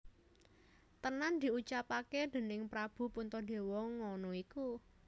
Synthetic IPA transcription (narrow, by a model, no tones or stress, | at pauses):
t̪ənand̪̥i̤ut͡ʃapaked̪̥e̤nɪŋpɾab̥ṳpunt̪ɔd̪̥e̤wɔŋːɔnɔiku